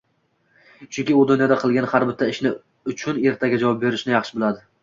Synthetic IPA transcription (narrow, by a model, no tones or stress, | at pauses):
t͡ʃʰʊŋkʲɪʊd̪ʊnjɒd̪aqʰɨlˠɡʲanhaɾbɪt̪ʰːaɪʃnɪ | ʊt͡ʃʰʊne̞ɾt̪ʰaɡʲad͡ʒavɒp̚be̞ɾɪʃnɪjɑχʃɪbɪlˠad̪ɪ